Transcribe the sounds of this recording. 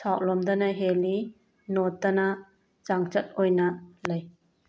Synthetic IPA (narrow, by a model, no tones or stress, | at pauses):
sʰawlɔmdɐnaɦeli | nɔtːɐna | t͡ʃaŋt͡ʃɐt̚ojnɐlɐj